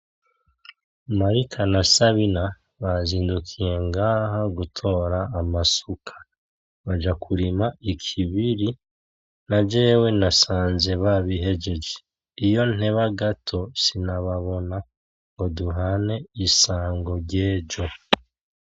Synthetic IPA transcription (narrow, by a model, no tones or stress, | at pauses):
maɾikʰanasaβina | βaziːndukʰije̞ŋɡahaɡutʰo̞ːɾaːmasukʰḁ | βad͡ʒakʰuɾimaikʰiβiɾi | naɟe̞ːwe̞nasaːnze̞βaβiɦe̞ɟe̞d͡ʒe | ijo̞n̥e̞βaɡatʰo̞sinaβaβo̞na | ŋɡo̞duɦane̞isaːŋɡo̞ɾɟeːɟo̞